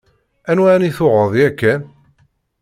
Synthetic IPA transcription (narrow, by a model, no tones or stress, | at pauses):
ænwaniθʊʁəðˤjækːæ